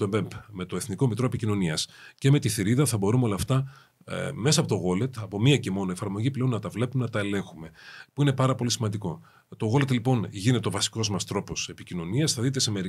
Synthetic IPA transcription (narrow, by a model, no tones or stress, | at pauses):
oembempme̞t̪o̞eθniko̞emit̪ɾo̞epicino̞niɐsce̞me̞t̪iθiɾiðɐθɐbo̞ɾumeolɐft̪ɐ | me̞sɐpo̞t̪oɣo̞le̞t̪ɐpo̞miɐce̞mo̞noe̞fɐɾmo̞ʝiple̞onːɐt̪ɐvle̞pumenɐt̪ɐe̞le̞ŋxume̞puine̞pɐɾɐpo̞lisimɐnd̪iko̞ | t̪oɣo̞le̞t̪lipo̞nʝine̞t̪eo̞vɐsi̥ko̞zmɐst̪ɾo̞po̞se̞picino̞niɐsθɐðit̪eseme̞ɾi